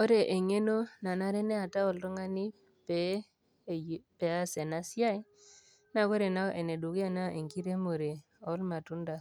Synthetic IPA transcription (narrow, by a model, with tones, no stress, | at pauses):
o˦ɾe˨ʔe˨ŋe˦no˦na˨na˦ɾe˦nɛ˦a˨ta˦ɔ˨lɾɔ˦ŋa˦ni˦ | pe˨˦˨ | pe˨a˦se˨na˦si˦a˦i˦ | na˦˨ko˦ɾe˨na˦ʔe˨ne˨du˨ke˦a˦na˦ʔe˨ŋki˦ɾe˦mo˨ɾe˨ | ɔ˦lma˨tu˦nda˨